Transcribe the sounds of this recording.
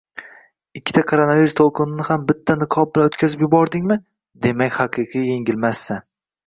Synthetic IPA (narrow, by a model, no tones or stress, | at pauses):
ɪkʲːɪ̥t̪ʰakʰoɾanaviɾust̪ʰolˠqʰɨnɪnɪhambɪt̪ʰːanɨqʰɒp̚bɪlanot̪kʲʰazɪpjʊbɒɾd̪ɪŋmɪ | d̪e̞makʲhɑqʰɨqʰɨjje̞ŋʲɪlmasːan